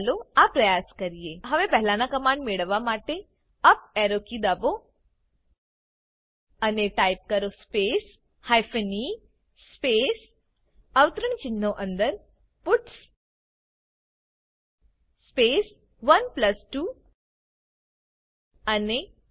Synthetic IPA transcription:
loapɾɐjaːskəɾieɦɐʋẽpɐɦlãnakɐmaːɳɖmeɽʋamaʈe | ɐp̚ɛɾokid̪abo | ɐneʈajp̚kəɾospeːs | hajfʰəni | speːs | əʋt̪ɾəɳt͡ʃɪnːoʔə̃nd̪əɾ | pʊʈs | speːs | ʋənpləsʈuː | ane

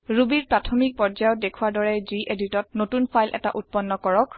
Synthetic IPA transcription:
ɹubiɹpɹatʰɔmik̚pɔɹzajɔt̚dekʰwadɔɹɛziʔeditɔt̚notunpʰajlʔɛ̰taʔut̚pɔnːɔkɔɹɔk

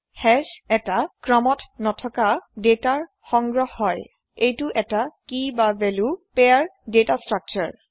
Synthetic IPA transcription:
hɛsɛtakɹɔmɔtnɔtʰɔkadetaɹ | xɔŋɡɹɔhhɔj | ejtʊʔɛtakibabɛlupɛaɹdetastɹak̚t͡ʃa̰ɹ

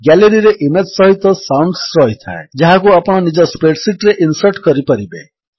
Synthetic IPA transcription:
ɡɛleɾiɾeʔimed͡zsʌɦit̪ːɔsawɳɖsɾɔɦjt̪ʰa̰ed͡ʒʌɦãkuapñɔnid͡ʒɔspɾeʈsiʈɾeʔinsʌɾʈkʌɾipʌɾibḛ

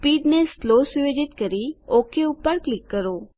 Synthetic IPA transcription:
spiːɖnesloːsʊjed͡ʒɪt̪kəɾiokʰeupːəɾklɪkːəɾoː

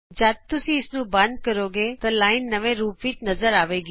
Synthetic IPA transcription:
d͡ʒad̪̚t̪ʊsĩɪsnũbɐ̃nd̪̚kɐɾoɡet̪ɐlaːɪnːɐʋẽɾuːpʋɪt͡ʃnɐzəɾaːʋeːɡi

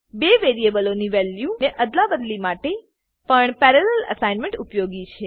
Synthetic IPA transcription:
beʋeɾiebəloniʋɛljuneʔəd̪labəd̪limaʈe | pəɳpɛɾelelə̰sajnmẽɳʈupjoɡit͡ʃʰe

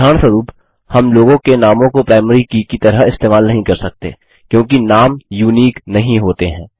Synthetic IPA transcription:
aːɳsəɾuːp | hɐmloːɡõkenaːmõkopɾaːɪməɾikikit̪ɐɾəɦɪst̪eːmaːlnɐɦĩkɐɾsɐk̚t̪ḛː | kjõːkinaːmjuːniːknɐɦĩɦoːt̪eɦɛ̃ː

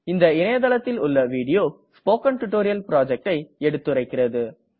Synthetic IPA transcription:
ɪnd̪ɐɪnɐjɐðɐlɐt̪ːɪlʊlːɐʋiːɽɪjoː | spoːkɐnʈʊʈːoːɾɪjɐlpɪɾaːd͡ʒɛk̚ʈɐɪɛɽɯt̪ːɯrɐɪkːɪrɐðɯ

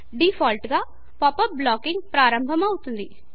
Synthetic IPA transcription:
ɖipʰaːlʈɡa | pɐpɐblaːkiŋɡ̚pɾaːɾɐmbʱɐmɐwut̪und̪i

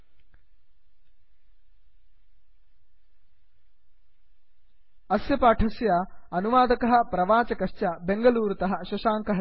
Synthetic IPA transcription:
ɐsjɐpaːʈʰɐsjɐɐnuʋaːd̪ɐkɐɦɐ̆pɾɐʋaːt͡ʃɐkɐʂt͡ʃɐbeŋɡɐluːɾut̪ɐɦɐ̆ʃɐʃaːŋkɐɦɐ

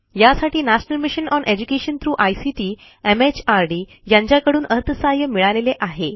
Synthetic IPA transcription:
jasaʈiːnæɕnəlmiɕənʔɔnʔed͡ʑukeɕənt̪ʰɾuːʔajsiʈiː | emet͡ɕaɾɖiː | jaɲt͡ɕjakəɽuːnʔəɦt̪ʰəsajəmiɭaleleʔaɦe

